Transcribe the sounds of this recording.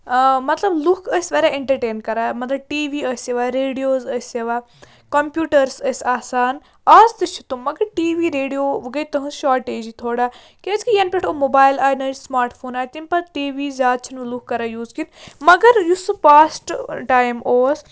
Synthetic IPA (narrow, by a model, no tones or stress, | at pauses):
mɐt̪lɐblukʰəsʲʋɐɾaːɪɳʈɐɾʈeːnkɐɾaːmɐt̪lɐb̚ʈiːʋiːəsjɐʋaːɾeːɖijoːzəsʲjɐʋaː | kɐmpʲjuːʈɐɾsəsʲaːsaːn | ɐːzt̪ɨt͡ʃʰut̪ummːɐɡɐɾʈiːʋiːɾeːɖijoːʋɡɐjt̪ɐɦɨ̃sʃaːʈeːd͡ʒit̪ʰoːɽaː | keːskijɐnpʲeʈʰoːmobaːjlaːjnɐːt͡ʃsmaːɾʈpʰoːnaːjt̪inʲpɐɾʈiːʋiːzʲjaːd̪̚t͡ʃʰinulukːɐɾaːjuːzkit̪mɐɡɐɾjusupaːsʈʈaːjmoːs